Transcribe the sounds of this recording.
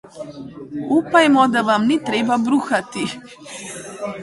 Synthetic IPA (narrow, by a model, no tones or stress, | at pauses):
upajmɔd̪avamnit̪ɾɛbabɾuxat̪i